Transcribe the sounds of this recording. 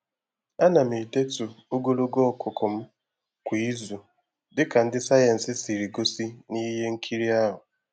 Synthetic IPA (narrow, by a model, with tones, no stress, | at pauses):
a˦na˨m̩i˨de˦tu˨o˦ɡo˦lo˦ɡo˦ɔ˦˨kʰʊ˨kʰʊ˨m̩˦ | kʷi˨i˦zu˨ | dɪ˦ka˨n̩˦dɪ˦sa˦ja˨n̩˨sɪ˦si˨ɾi˨ɡo˦si˦ni˦ɦe˦ŋ̩˦kʰi˦ɾi˦a˦ɦʊ˨